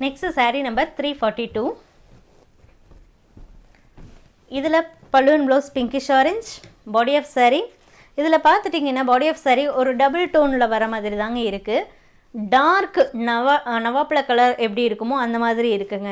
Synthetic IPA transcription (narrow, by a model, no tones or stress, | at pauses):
nɛksʈsɐɾinɐmbɐɾt̪ɾiːfɔːɾʈːiʈuː | ɪðɪlɐ | pɐɭɯʋnbloːspɪŋkɪʃaːɾɪnd͡ʒbaːɽijɐːfsɐɾi | ɪðɪlɐpaːɾt̪ɯʈːiːŋɡɐnːaːbaːɽiɐːfsɐɾiɔɾɯɖɐbɐlʈoːnɪlɐʋɐɾɐmaːðɪɾit̪aːŋɡɐɪɾɯkːɯ | ɖaːɾknɐnɐʋaːpɐɭɐkːɐɭɐɾʔɛpːɐɽiɪɾɯkːɯmõːɐnd̪ɐmaːðɪɾiɪɾɯkːɯŋɡɐ